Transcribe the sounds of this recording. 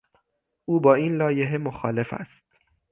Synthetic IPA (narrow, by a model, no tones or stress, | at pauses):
ʔuːbɒːiːnlɒːjeɦemoxɒ̰ːle̞fæ̰st̪̚